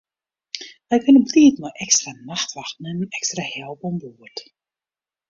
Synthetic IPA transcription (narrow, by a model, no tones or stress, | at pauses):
ʋɛjkʏnəbliːtnɔʔɛkstranaxtʋaxtənənɛkstrahɛlˠpɔmbuət